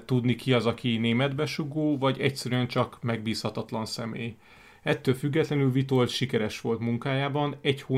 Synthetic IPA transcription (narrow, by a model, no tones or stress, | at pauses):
t̪ud̪nikiɒzɒkineːmɛd̪bɛʃuɡoːvɒɟɛcsɛɾyɛnt͡ʃɒkmɛɡ̚biːshɒt̪ɒt̪lɒnsɛmeːj | ɛt̪ːøːlfyɡːɛt̪lɛnylvit̪o̞lʃikɛɾɛʃʋo̞lt̪muŋkaːjaːbɒnɛchoː